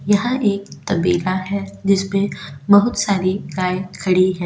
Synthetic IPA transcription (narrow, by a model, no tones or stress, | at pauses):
jɐɦãʔeːk̚t̪ɐbiːlaɦɛd͡ʒɪsmẽbɐɦʊt̪saːɾiɡaːekʰɐɽiɦɛ̃ː